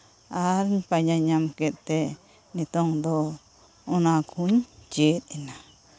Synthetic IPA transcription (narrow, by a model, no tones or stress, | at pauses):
aɾɲpaɲãɲãmket̪e | nĩt̪õŋd̪o | onãkʰuɲt͡ʃiɾinã